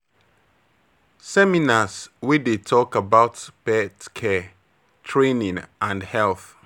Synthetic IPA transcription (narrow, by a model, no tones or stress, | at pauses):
sɛminaswidetʰɔkabaʊtb̥ɛtkʰɛ | tʰɹẽnĩŋãndhɛlθ